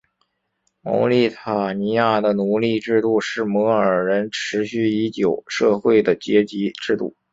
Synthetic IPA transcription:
mo̰˧˥li˥˩t̪ʰa˨˩ni˧˥ja˥˩d̪ə˩nu˨˧˩li˥˧ʈ͡ʂɻ̩˥˧t̪u˥˧ʂɻ̩˥˩mɤ˧˥əə˞˨˩ɻə˧˥nʈ͡ʂʰɻ̩˧˥ɕy˥˩i˧˥t͡ɕjo˨˩ʊʂɤ˥˧xwe˥˩ɪd̪ə˩t͡ɕjɛ˧˥t͡ɕi˧˥ʈ͡ʂɻ̩˥˧t̪ṵ˥˩

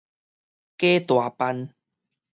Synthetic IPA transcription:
ke˦t̪wa˨˩pa˧n

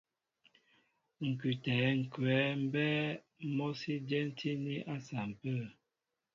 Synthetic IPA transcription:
ŋ̩˨kʉ˨tɛ˨˦ŋ̩˨kwɛ˨˦m̩˦bɛː˦ | mo˦si˦djɛ˦n̩˦tʰi˦ni˦ʔa˦sa˨m̩˨pə˦˨

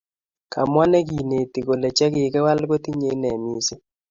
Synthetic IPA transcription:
ka˨mwa˦nɛ˦ki˨ne˨ti˨ko˨lɛ˨t͡ʃɛ˦kɪ˨kɛ˦wa˦lko˦ti˦ɲe˦nɛ˨mi˦si˦

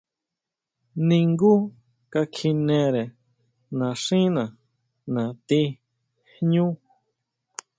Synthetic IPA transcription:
nĩ˧ŋɡu˦ | ka˧kʰi˧nẽ˧ɾe˨ | nã˨ʂĩ˦nã˨ | nã˨t̪i˧ | hɲũ˦

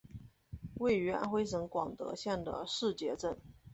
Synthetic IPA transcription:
we˥˩ɪy˧˥a̰˥nxwe˥ɪʂɤ˧˥ŋkwɑ˨˩ŋt̪ɤ̰˧˥ɕjɛ˥˩nd̪ə̰˩ʂɻ̩˥˩t͡ɕjɛ˧˥ʈ͡ʂə˥˩n

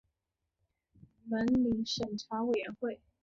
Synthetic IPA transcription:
mə˧˥nli˧˥ŋʂə˨˩ŋʈ͡ʂʰa˧˥we˨˩ɪɥɛ˧˥nxwe˥˩ɪ

